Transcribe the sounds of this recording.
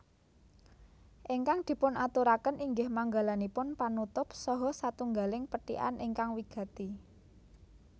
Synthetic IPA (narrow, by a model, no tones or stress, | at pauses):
ʔiŋkaŋd̪̥i̤pʊnat̪uɾakənʔiŋɡɪhmaŋɡalanipʊnpanut̪ʊpsɔɦɔsat̪uŋɡalɪŋpəʈḭʔa̰nʔɪŋkaŋwiɡ̥ä̤t̪i